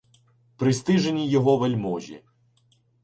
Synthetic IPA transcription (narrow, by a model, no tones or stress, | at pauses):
pɾɪst̪ɪʒenʲijɔɦɔʋɐlʲmɔʒʲḭ